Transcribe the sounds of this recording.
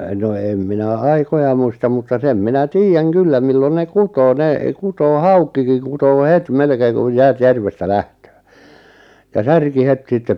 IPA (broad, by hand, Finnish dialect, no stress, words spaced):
no em minæ ɑikojɑ muistɑm mutːɑ sem minæ tiːjːæŋ kylːæ milːon ne kutoː ne kutoː hɑukˑikiŋ kutoː het melkeːŋ kuj jæːt jærʋestæ læhtøː jɑ særki het sitːep